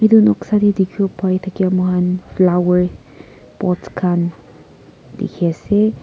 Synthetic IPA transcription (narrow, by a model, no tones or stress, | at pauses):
id̪unoksad̪id̪ikʰjopajt̪ʰakiamoɦanflawəɹ | bɔtkʰan | d̪ḭkʰese